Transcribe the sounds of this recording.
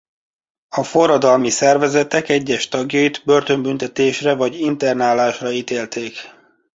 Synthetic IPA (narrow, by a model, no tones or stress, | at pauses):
ɒfo̞rːɒd̪ɒlmisɛrvɛzɛt̪ɛkɛɟːɛʃt̪ɒɡjɒid̪bø̞rt̪ø̞mbynt̪ɛt̪eːʃrɛvɒɟint̪ɛrnaːlaːʃrɒit̪eːlt̪eːk